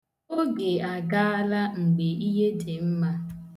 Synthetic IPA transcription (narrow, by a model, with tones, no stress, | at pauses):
o˦ɡe˨a˨ɡa˦a˦la˦ŋ͡m̩˨ɡ͡be˨i˦ɦe˦de˨m̩˦ma˦